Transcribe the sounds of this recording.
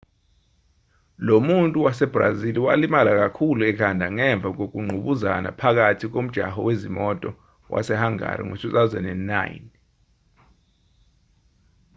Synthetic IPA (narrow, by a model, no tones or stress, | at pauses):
lomuntʼuwasɛb̥ra̰ziliwalimalak̬akʰuluɛkʰandʱaŋɛɱb̪vʱak̬ok̬uŋ͡ǀʱuɓuza̰na̰pʰak̬atʰik̬om̩d̥ʒ̥ʱa̰hɔ̰wezimɔtʼɔ | wʔa̰sɛhaŋa̰rḭŋo̰sisazɛ̰nɛna̰jni